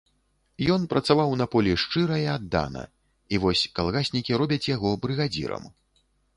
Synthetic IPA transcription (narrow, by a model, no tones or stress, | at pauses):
jɔnpɾɐt̪savawnɐpɔlʲiʂt͡ʂɨɾɐjɛad̪ːa̰nɐ̰ | ivɔsʲkalˠɣasʲnʲikʲiɾɔbʲɐt͡sʲjaɣɔbɾɨɣad͡zʲḭɾɐ̰m